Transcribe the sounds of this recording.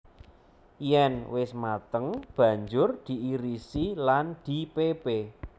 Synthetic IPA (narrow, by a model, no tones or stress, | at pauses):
jɛnwɪsmat̪əŋb̥ä̤ɲd͡ʒʊrd̪̥i̤ʔiɾisiland̪̥ipebe